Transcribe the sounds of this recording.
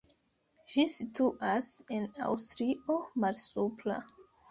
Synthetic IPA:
ʃisitʰuʔasĩna̰wstɾiomalsupla̰

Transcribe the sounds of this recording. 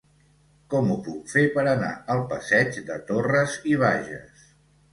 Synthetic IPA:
kɔmupukfepəɾəna̰əlˠpəsɛd͡ʒd̪ət̪orəziβ̞aʒə̰s

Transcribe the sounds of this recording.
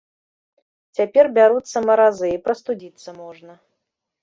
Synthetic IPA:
t͡sʲapʲerbʲaɾut̪sːɐmɐɾazɨipɾɐst̪ud͡zʲit̪sːɐmɔʐnɐ

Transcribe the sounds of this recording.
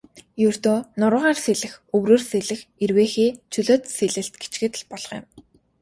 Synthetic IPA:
jɵr̥t̪oːnʊɾə̆ʁaːrseɮɘ̆xɵwroːrseɮɘ̆xerweːxeːt͡ɕʰɵɮoːt̪seɮɘ̆ɬt̪̚ɡet͡ɕɡɘ̆t̪̆ɮpɔɮ̥ɞ̥̆χjɪ̰̆m

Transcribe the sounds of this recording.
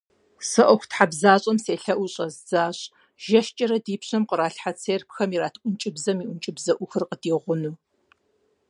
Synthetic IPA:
sɨʔʷɔxʷtħabzaːɕʼɐmseːɬɐʔʷʊɕʼɐzz̥aːɕʼ | ʒɐʃt͡ʃʼɐɾɐdiːpɕɐmqəɾaːɬħat͡sʰeːrpxɐmiɾaːtʰʔʷʊnt͡ʃʼɪbzɐmiːʔʷʊnt͡ʃʼɪbzɐʔʷʊxɨrqədiːʁʷʊnuː

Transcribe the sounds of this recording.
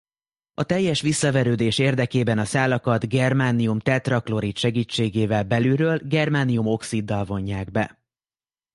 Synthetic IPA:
ɒt̪ɛjːɛʃʋisːɒvɛɾøːd̪eːʃeːrd̪ɛkeːbɛnɒsaːlɒkɒd̪ɡɛrmaːnijumt̪ɛt̪rɒklo̞ɾit̪ʃɛɡiːt͡ʃːeːɡeːvɛlbɛlyɾøːlɡɛrmaːnijumo̞ksid̪ːɒlvo̞ɲːaːɡbɛ̰

